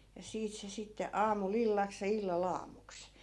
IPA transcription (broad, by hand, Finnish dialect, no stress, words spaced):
jɑ siːt se sitːe ɑːmul ilːɑks jɑ ilːɑl ɑːmuks